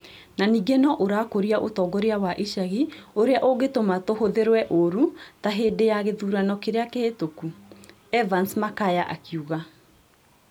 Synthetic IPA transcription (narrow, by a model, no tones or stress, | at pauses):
naniːɡenɔʔoɾakoɾiaʔotɔɡɔɾeawaʔiʃaɣioɾeaʔoɡetomatohoðeɾwɛʔoɾutaɦeːdejaɣeðuːɾanɔkeɾeakeetoku | ɛvansmakajaʔakiuɣa